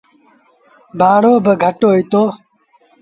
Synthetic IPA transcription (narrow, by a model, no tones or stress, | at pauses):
baːɽoːbəɡʱəʈoːit̪oː